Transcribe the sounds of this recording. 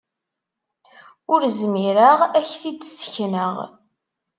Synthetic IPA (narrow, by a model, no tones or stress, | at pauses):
ʊɾzmiɾəʁæçθid̪sçnəʁ